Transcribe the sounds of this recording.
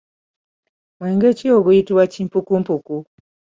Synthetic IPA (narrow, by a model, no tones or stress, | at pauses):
mweːŋɡecioɡujitiβwaciːmpukumpuku